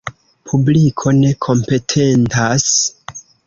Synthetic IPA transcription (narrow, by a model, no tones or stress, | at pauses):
pʰublikʰo̞ne̞kʰo̞mpe̞tʰe̞ntas